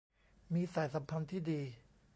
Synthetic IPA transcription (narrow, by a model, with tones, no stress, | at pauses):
miː˧saː˨˩˦jsa˩˦mpʰa˧nt̪ʰiː˥˩diː˧